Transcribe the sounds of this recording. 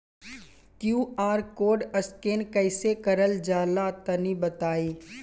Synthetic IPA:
kjuːaːɾkoːɖəskeːnkɐɪsekɐɾəld͡ʒaːlat̪ɐnibət̪aːiː

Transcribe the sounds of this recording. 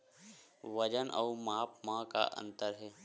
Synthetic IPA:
ʋəd͡ʒənʔə̰ːmaːpmãka̰ʔə̰̃nt̪əɾɦɛː

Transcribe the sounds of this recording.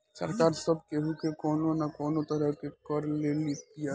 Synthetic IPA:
sɐ̰ɾkaːɾsɐb̚keɦukekɔːnonakɔːnot̪ɐɾəɦkekɔɾlelit̪ija

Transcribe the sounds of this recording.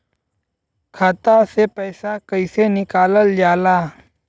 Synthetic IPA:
kʰaːt̪asepəːsakəɪsenɪkaːləld͡ʒaːlaː

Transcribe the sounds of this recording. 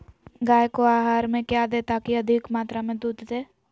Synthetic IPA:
ɡaːjkoaːɦaːɾmẽkjad̪eːt̪akiɐd̪ʱɪkmaːt̪ɾamẽd̪uːd̪ʱd̪eː

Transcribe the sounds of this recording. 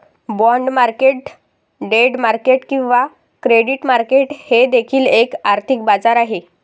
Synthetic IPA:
bɔɳɖmaɾkeʈ | ɖeɽmaɾkeʈkĩw̃ʋa | kɾeɽiʈmaɾkeʈhed̪ekʰiːlekaɾt̪ʰikbad͡zaɾaɦe

